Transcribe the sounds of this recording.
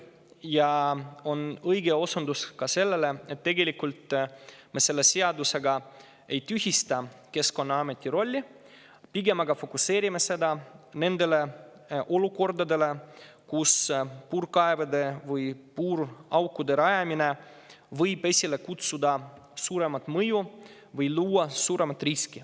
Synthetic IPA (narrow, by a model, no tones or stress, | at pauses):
jɑo̞nɤjɡe̞o̞sund̪uskɑse̞lːele̞e̞t̪ːe̞ɡe̞lʲikːult̪me̞se̞lːe̞se̞ɑd̪use̞ɡɑ | e̞jt̪yɦist̪ɑ | ke̞sko̞nːɑɑme̞t̪ʲˑːiɾo̞lʲːi | piɡe̞mɑɡɑfo̞kuse̞ːɾʲime̞se̞d̪ɑne̞nd̪e̞le̞ | ʔo̞luko̞rd̪ɑd̪e̞le̞ | kuspuːɾkɑevɑd̪e̞vɯjpuːɾɑwkːud̪e̞ɾɑjɑmine̞ | vɤjbe̞sʲile̞kut̪sud̪ɑ | suːɾe̞mɑt̪mɤju | vɯjluːɑsuːɾe̞mɑt̪riski